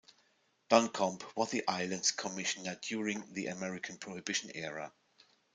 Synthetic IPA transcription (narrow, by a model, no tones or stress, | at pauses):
d̥ɔ̃nkʰɔ̃mpʰwʌðiʔaɪlə̃ndz̥kʰəmɪʃənədjʊːɹɪ̃ŋðiʔə̰mɛɹɪkʰə̃npʰɹ̥ɔhɪbɪʃə̃nɛɹə̰